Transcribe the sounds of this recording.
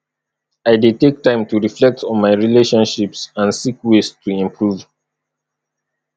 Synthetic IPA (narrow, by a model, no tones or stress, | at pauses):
aɪdetek̚tʰãɪ̃mtuɹiflɛk̚tɔ̃nmaɪɹileʃɔ̃nʃipsãnsikwestʰuĩmpʰɹuv